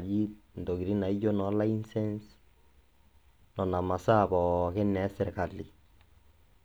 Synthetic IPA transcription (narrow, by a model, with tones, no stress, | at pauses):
d͡ʒi˦n˨do˨ɡi˨ɾi˦na˨i˦d͡ʒo˦nɔ˨˦la˦i˦nsɛ˦ns | nɔ˨na˨ma˨sa˦˨bɔ˨kɛ˦nɛ˨˦sɛ˨ɾka˨li˨